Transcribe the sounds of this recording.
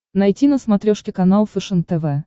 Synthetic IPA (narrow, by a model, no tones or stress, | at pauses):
nɐjtʲinəsmat̪ɾʲoʂkʲɪkanalˠfʲɨʂɨŋk̚t̪ɛvɛ